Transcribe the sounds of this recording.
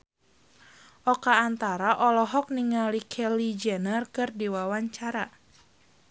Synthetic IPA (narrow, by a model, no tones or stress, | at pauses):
ʔɔkaːnt̪aɾaʔɔlɔɦɔk̚niŋalikʰɛlid͡ʒɛnərkɨrdiwawaɲt͡ʃaɾa